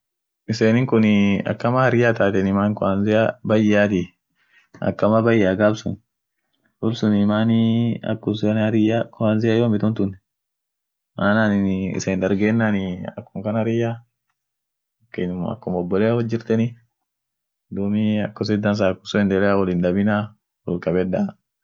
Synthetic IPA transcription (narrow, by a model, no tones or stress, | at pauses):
ɪseːnɪŋkʊnɪɐ̰kːɐmahɐɾɪjaːt̪aːt̪ɛnɪmaːnkɔanzɪabɐjːaːt̪i | ɐ̰kːɐmabɐjːaːɡabsʊ̰n | wʊlsʊnɪmaːniɐ̰kːʊsnɾɪakɔanzɪjajoːmɪt̪ʊnt̪ʊnɛ | mʔaːnaːnɪnɪ̰sɐɪnd̪ɐɾɡeːnːanɪɐ̰kːʊŋkɐnaɾɪja | kːenmɐ̰kːʊmɔbːɔleːwɔd͡ʒːɪɾt̪ɛnɪ | d̪umiɐkːɔs̬ɪd̪ɐns̬akːʊsɔɛnd̪ɛlɛawɔlɪnd̪ɐbɪna | wɔlkɐbɛdːa